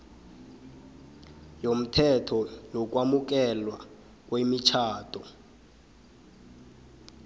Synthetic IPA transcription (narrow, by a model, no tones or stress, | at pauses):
jom̩tʰɛtʰɔnok̬ʼwamuk̬ɛlwa | k̬ʼwemit͡ʃʰaːtʰʼɔ